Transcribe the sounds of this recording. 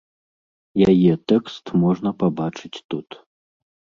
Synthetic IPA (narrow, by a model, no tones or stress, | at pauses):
jajɛt̪ɛkst̪mɔʐnɐpabat͡ʂɨt͡sʲt̪ut̪